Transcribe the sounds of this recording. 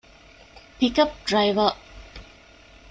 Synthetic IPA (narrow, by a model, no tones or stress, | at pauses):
pikap̚dɹajvə